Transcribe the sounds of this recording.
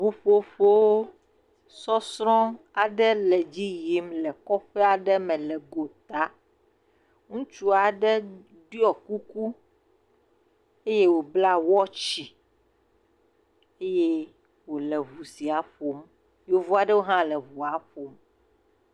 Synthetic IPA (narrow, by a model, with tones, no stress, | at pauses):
βu˦ɸo˦ɸo˦wo˦ | sɔ˦sɾɔ̃˦ | a˨ɖɛ˦lɛ˨d͡ʑi˦ji˦mlɛ˨kɔ˦ɸɛ˦a˨ɖɛ˦mɛ̃˨lɛ˨ɡo˨t̪a˨ | ŋũ˦t͡ʃu˦a˨ɖɛ˦ | di˦ɔ˨ku˦ku˦ | e˦je˦wo˨bla˦wɔ˦t͡ʃi˨ | e˦je˦ | wo˨lɛ˨βu˨si˨a˨ɸo˨m | jo˦vu˦a˨ɖɛ˦wo˦ɦã˦lɛ˨βu˨a˨ɸo˨m